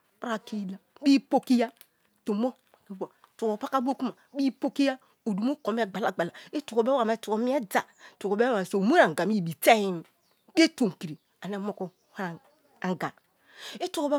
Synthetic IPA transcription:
pɾa˨ki˦la˨bi˦po˦ki˦ja˦ | tu˨mo˦˨i˨˦ba˨tu˨ko˨pa˦ka˦bo˦ku˦ma˨bi˦po˦ki˦ja˦ | o˨du˨mo˦ko˨m˦e˦˨ɡ͡ba˨la˨ɡ͡ba˨la˨e˦tu˨ko˨be˦wa˨me˨˦tu˨ko˨mi˦e˦d͡za˨ | tu˨ko˨be˦a˨e˨so˨mo˦ɾa˨ɡa˨mi˦˨bi˨te˦i˦m˦ | be˦to˨ŋ˨ki˨ɾi˨ | a˨ne˦mo˦ko˦ | ha˦a˨ | a˨ŋɡa˨ | e˦tu˨ko˨be˦

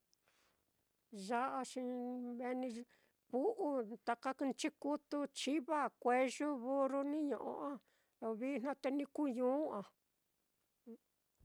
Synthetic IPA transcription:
ʒa˧ʔa˧ʃĩ˧βe˧nĩ˧ | ku˦ʔu˦t̪a˧ka˧ku˧t͡ʃi˦ku˦t̪u˧t͡ʃi˦βa˦˨kʷe˧ʒu˦βu˦ɾu˧nĩ˦ɲõ̰˨ʔõ̰˧ã˦ | lo˧βi˦n̥ã˦t̪e˧nĩ˧ku˦ɲũː˨˦ã˨˧˦

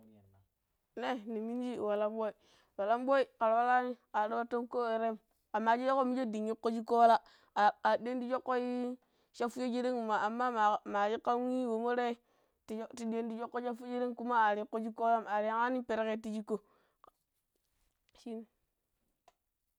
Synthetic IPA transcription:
ne˦˨ni˨mi˦n˦d͡ʒi˦˨wa˨la˦mbo˦i˨ | wa˨la˦mbo˦i˦ka˨ɾwa˦la˦ni˦a˨ɾo˦ba˦to˦mko˦e˨ɾe˦m | a˨ma˨d͡ʒi˦jo˦ko˦mi˦d͡ʒe˦di˨ɲːi˦ko˦d͡ʒi˦ko˦wla˦˨ | a˨di˦e˦n˦di˦d͡ʒo˦kːo˦i˦ | ʃa˦fu˦e˦d͡ʒi˦ɾe˦ŋ˨ma˨a˨mːa˦˨ma˨d͡ʒi˦ka˦wi˦wo˨mo˦ɾe˦ | ti˦ti˦di˦e˦ndi˦d͡ʒo˦kːo˦ʃa˦fu˦d͡ʒi˦ɾe˦ŋku˦ma˦a˨ɾi˨˦kːo˦d͡ʒi˦ko˦la˦ma˨ɾi˨˦ŋa˦ni˦pe˨ɾe˦ke˦ti˦d͡ʒi˦ko˨ | ʃi˦n˦

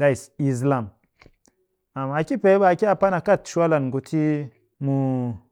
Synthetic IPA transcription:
a˦i˨si˨z̬la˦˨m | a˨m˨a˨ki˦pe˨˦ba˨a˨ki˦a˨pa˦na˨ka˦˨tʃu˦a˦la˨nɡu˨tʰi˦ | mu˨

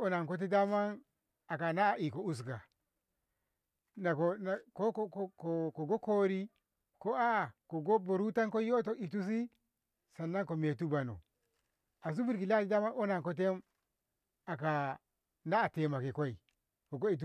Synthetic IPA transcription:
o˦na˨nko˦t̬e˦da˦ma˦n | a˨ka˨na˦˨i˨ko˨u˦s̬ɡa˨ | na˨ko˨na˨ko˦kko˨ko˨ɡo˦ko˦ɾi˦ | ko˦a˦a˨ko˨ɡo˦bo˨ɾu˦ta˦nko˦jo˦t̬o˦ʔi˨t̬u˦s̬i˦ | sa˨nːa˦ŋko˨me˨tu˦ba˨no̰˨ | a˨s̬u˦bi˦ɾki˨la˦ti˦da˦ma˦no˦na˨ŋko˦t̬e˦m | a˨ka˨ | naː˦˨te˨ma˨ki˨ko˦i˨ | ko˨ɡo˦i˨t̬u˦

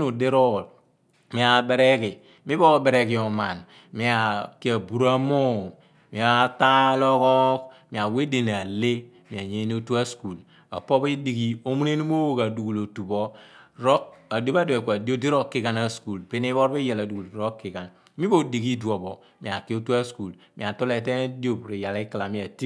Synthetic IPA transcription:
nu˨de˦ɾo˦˨l | mi˨˦a˨be˦ɾe˦ki˨ | mi˦bo˦be˨ɾe˨ki˨o˨ma˨n | mi˨˦a˨ki˦a˨bu˨ɾa˦mo˦˨ | mi˨a˦ta˦lo˦kɔ˦kmi˨a˨we˦de˨n˨a˨le˦ | mi˨a˨ɲe˦n˦o˦tu˦a˦sku˨l | a̰˨po˦bi˦di˨ɡi˦o˦mu˦ne˦ni˦mo˦wo˦˨ka˨du˨ɡu˨lo˨tu˨bo˦ɾo˦a˨do˦ba˦do˨e˨kʷa˨di˦o˦di˦ɾo˦kːi˦ka˦na˦sku˨lpe˦ni˦bo˦ɾbi˦ja˨la˨du˨ɡu˨ldɾo˦kːi˨ka˨n | mi˦bo˦di˨ɡi˦du˨o˨bo˨ | mi˨a˨ki˦o˦tu˦a˦sku˨l | mi˨a˨to˦le˨te˦di˦o˦˨bu˨ɾe˨ja˨li˦ka˨la˨mi˦a˨ti˦

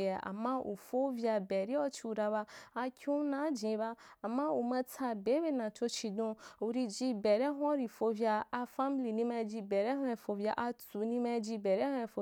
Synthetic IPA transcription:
a˨a̰˨mːã˦ʔo̰˨fo˦vja˧bɛ˨ɾi˦ɔ˦t͡ʃi˧u˧ɾa˧ba˧a˧kʰʲu˦nã˦d͡ʒĩ˨˦ba˧a˨mːã˦o˨mã˧tʰa˧be˨˦be˦˨nã˨to˧t͡ʃi˧dũ˧o˨ɾi˧d͡ʒi˧bɛ˨ɾɛ˦ɦɔ˦ɾi˧fo˧vja˧a˧fa˦mi˦li˨nĩ˧mɛ˧˦d͡ʒi˧bɛ˨ɾɛ˦ɦã˧˦˧fo˧vja˧ʔa˧t͡su˨nĩ˧ma˧d͡ʒi˧bɛ˨ɾɛ˦hã˧˦˧fo˧

